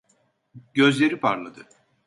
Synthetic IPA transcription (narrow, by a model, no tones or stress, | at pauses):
ɟøzlʲe̞ɾipʰaɾlˠad̪ɯ